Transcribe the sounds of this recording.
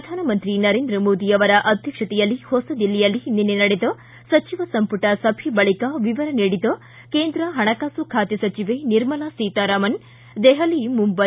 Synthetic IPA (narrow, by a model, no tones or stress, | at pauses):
pɾɐd̪ʱaːnɐmɐnt̪ɾinɐɾeːnd̪ɾɐmoːd̪ijɐʋɐɾɐʔɐd̪ʱjɐkʂɐt̪ijɐlːihosɐd̪ilːijɐlːininːenɐɽed̪ɐ | sɐt͡ʃiʋɐsɐmpuʈɐsɐpʰibɐɭikɐʋiʋɐɾɐneːɽid̪ɐ | keːnd̪ɾɐɦɐɳɐkaːsukʰaːt̪jɐsɐt͡ʃiʋeniɾmɐlasiːt̪aɾaːmɐn | d̪eɦɐlimumbɐ